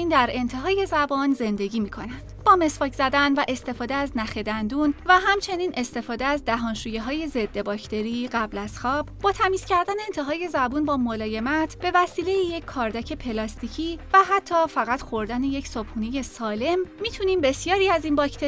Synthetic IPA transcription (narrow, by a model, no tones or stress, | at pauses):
nd̪æɾe̞nt̪ʰe̞ɦɒːje̞zæbɒːnze̞nd̪e̞ɟiːmiːkʰo̞næn̥b̥ɒːme̞sfɒːcz̥æd̪ænvæʔe̞st̪e̞fɒːd̪eæznæxed̪ænd̪unvæɦæmt͡ʃʰe̞niːnʔe̞st̪e̞fɒːd̪eæzd̪æɦɒnʃuːjeɦɒːje̞ze̞d̪ːe̞bɒːcʰt̪ʰe̞ɾiɢæblæz̥xɒːb̥bɒːt̪ʰæmiːz̥cæɾd̪æne̞ːnt̪ʰeɦɒːje̞zæbuːnbɒːmolɒːje̞mæt̪ʰb̥e̞væsiːle̞jije̞cʰkʰɒːɾd̪æcʰe̞pʰe̞lɒːst̪icʰiːvæɦæt̪ʰːɒːfæɣæt̪xo̞ɾd̪æneje̞csob̥huːneje̞sɒːle̞mːiːt̪ʰuniːmbe̞sjɒːɾiːæziːnbɒcʰt̪ʰe